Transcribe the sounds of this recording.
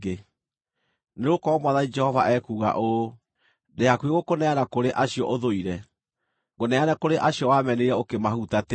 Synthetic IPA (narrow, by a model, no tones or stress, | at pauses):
e | neɾokɔɔmwaðaid͡ʒɛhɔvaʔɛkuːɣa̰ʔo | deakweɣokonɛanakoɾeʔaɕiɔʔoðoiɾɛ | ɣonɛanakoɾeʔaɕiɔwamɛneɾɛokemaɦutate